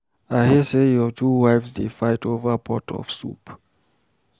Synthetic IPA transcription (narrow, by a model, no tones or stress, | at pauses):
ahisejɔtʰuwajfsdefajtʰovəpʰɔtʰɔ̰fsṵp